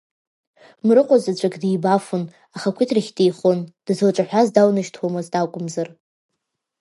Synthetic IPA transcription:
mrɨqʷʼazat͡ɕʷʼakʼdijbafʊn | aχakʷʰɪtʰraχʲtʼejχond̥zlʈ͡ʂʼaħʷᶣazdawnɨʃtʰwomɨzdakʷʼʊmzar

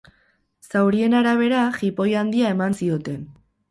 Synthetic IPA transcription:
sawɾie̞naɾaβ̞e̞ɾaxipo̞jand̪iae̞mansio̞t̪e̞n

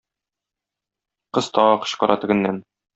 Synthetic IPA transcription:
qɤz̥t̪ɒʁɑqɤ̥̆ɕqɒɾʔɑ̰t̪ɘ̆ɡɘ̆nːæn

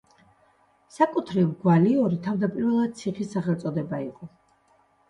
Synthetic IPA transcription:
sakʼut̪ʰɾivɡwaliɔɾit̪ʰavd̪apʼiɾvɛlˠad̪̚t̪sʰiχisːaχɛlˠt̪sʼɔd̪ɛbaiqʼɔ

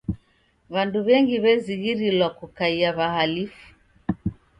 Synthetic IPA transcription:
βanduβɛŋɡiβɛziɣiɾilwakukaiaβahalifu̥

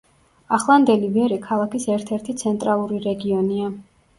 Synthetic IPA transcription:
aχlˠand̪ɛlivɛɾikʰalˠakisɛɾt̪ʰɛɾt̪ʰit̪sʰɛnt̪ʼɾalˠuɾiɾɛɡiɔnia

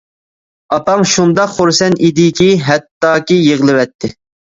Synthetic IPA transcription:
ɑpɑŋʃund̪ɑqχuɾsɛnid̪ɪkʲʰiɦɛt̪ːɑːkʲijeʁlˠɨwɛt̪ʰːɪ

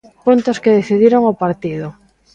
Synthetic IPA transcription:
punt̪oskeðeθiðiɾoŋopaɾt̪iðo

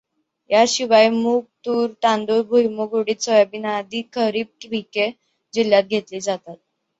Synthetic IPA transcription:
jaɕiʋajmuɡ̚t̪uːɾt̪ãnd̪uɾbʱujmuɡoɽiːt̪sɔjabinad̪iːkʰəɾiːb̚kibʱike | d͡ʑiljat̪̚ɡʱet̪liːd͡zat̪at̪̚

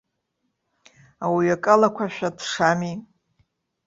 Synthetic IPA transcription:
awiɥakʼalakʷʰaʃᶣadʰʂami

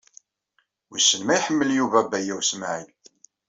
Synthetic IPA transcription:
wisːənmæjħəmːəljuvæbæjæwsmʕil

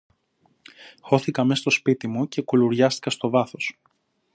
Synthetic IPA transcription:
xo̞θikɐme̞st̪o̞spit̪imuce̞kuluɾʝɐst̪i̥kɐst̪o̞vɐθo̞s

